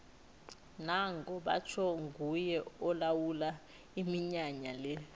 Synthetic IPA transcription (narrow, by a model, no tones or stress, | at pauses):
naŋkʼɔɓa̰t͡ʃʰɔŋɡʱujɛɔlawula | imiɲaɲalɛ